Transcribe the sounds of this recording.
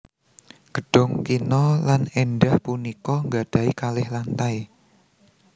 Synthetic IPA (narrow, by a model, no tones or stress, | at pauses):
ɡ̥əɖ̥ɔŋkinɔlanɛnɖahpunikɔŋɡad̥a̤ikalɪhlant̪aj